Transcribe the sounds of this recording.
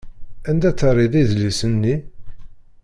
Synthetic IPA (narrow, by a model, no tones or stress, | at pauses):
ænd̪æt͡sːərˤiðˤiðlisənːi